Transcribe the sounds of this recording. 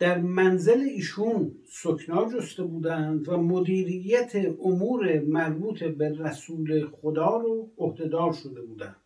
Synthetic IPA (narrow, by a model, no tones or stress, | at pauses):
d̪̥æɾmænzeleiːʃun | sokʰnɒːd͡ʒost̪ebuːd̪ænd̪væmod̪iːɾijæt̪ʰeʔomuːɾemæɾbuːt̪ʰeberæsuːleχod̪ɒːɾoohd̪e̞d̪ɒːɾʃo̞d̪e̞buːd̪ænd̪̥